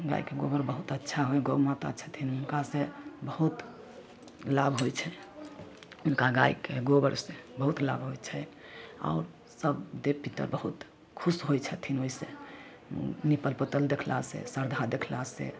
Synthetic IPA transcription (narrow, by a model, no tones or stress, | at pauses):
ɡa̰ikeɡobəɾbəɦut̪ətːʃʰaɦojɡomat̪at͡ʃʰət̪ʰinunkasẽbəɦut̪ | labʱɦojt͡ʃʰɛ | unkaɡaikeɡobəɾsẽbəɦut̪la̰bɦojt͡ʃʰɛ | a̰ʊɾ | səbd̪epit̪ə̰ɾbəɦut̪ | kʰusɦojt͡ʃʰɛt̪ʰinoisḛ̃ | nipəlpət̪əld̪ekʰla̰sḛsəɾd̪ʱad̪ekʰlasḛ